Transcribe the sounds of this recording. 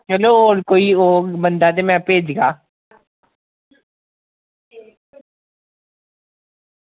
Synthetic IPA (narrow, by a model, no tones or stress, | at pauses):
t͡ʃəloːoːɾkoːiːoːbənd̪aːt̪̬eːmɛ̃ːpeːd͡ʒɡaː